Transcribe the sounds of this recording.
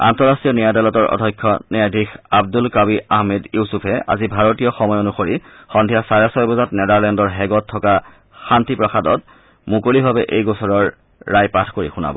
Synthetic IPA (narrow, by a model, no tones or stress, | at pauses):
a̰ntɔɹasɹijɔnijadalɔtɔɹʔɔ̰dʱɔjkʰːɔnɛadʱixabdulkabiɹaɦmɛdjuwsupʰɛa̰zibʱaɹotijɔxɔmɔjonuxoɹi | xɔndʱijasaɹɛsɔjbɔzatnɛdaɹlɛndɔɹɦɛɡɔtʰːɔka | xantipɹɔxadɔt | mukolibʱabɛʔejɡɔsɔɹɔɹː | ajpatʰkoɹḭxuna̰bɔ̰